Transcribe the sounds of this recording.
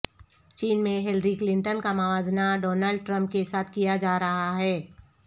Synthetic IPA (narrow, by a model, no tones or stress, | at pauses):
t͡ʃiːnmẽɦɪlɾiklɪ̃ɳʈənkamaʋaːd͡ʒnaɖɔːnəlɖ̚ʈɾə̃mp̚kesaːt̪ʰkijad͡ʒaːɾɐɦaɦɛː